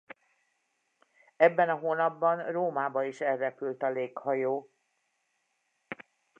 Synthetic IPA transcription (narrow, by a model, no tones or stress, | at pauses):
ɛbːɛnɒɦoːnɒbːɒnroːmaːbɒiʃɛlrːɛpylt̪ɒleːkhɒjoː